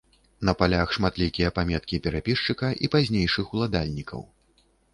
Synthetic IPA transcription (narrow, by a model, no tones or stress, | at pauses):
nɐpalʲaxʂmat̪lʲikʲijɐpamʲɛt̪kʲipʲɛɾapʲiʂt͡ʂɨkɐʔipazʲnʲejʂɨxulˠad̪alʲnʲikʰɐ̰w